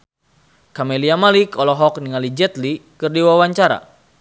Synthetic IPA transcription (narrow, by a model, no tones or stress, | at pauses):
kameliamalikɔlɔɦɔk̚niŋalid͡ʒɛt̪likɨrdiwawaɲt͡ʃaɾa̰